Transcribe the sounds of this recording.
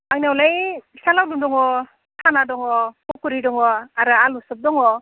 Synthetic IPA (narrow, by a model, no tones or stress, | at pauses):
aŋnawlajsalawdundɔŋɔ | tʰanadɔŋɔkɔkuɾidɔŋɔaɾɯalɔsɯp̚dɔŋɔ